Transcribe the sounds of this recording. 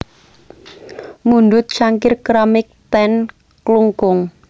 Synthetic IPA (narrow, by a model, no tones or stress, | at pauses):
mund̪ʊt̪̚t͡ʃaŋkɪrkɾamɪk̚t̪ɛn | kluŋkʊŋ